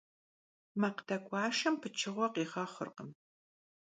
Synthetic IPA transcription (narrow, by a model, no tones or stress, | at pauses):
mɐqdɐkʷʼɑːʃɐmpʰɨt͡ʃʰɨʁʷɔqiːχɐχʷə̰rqəm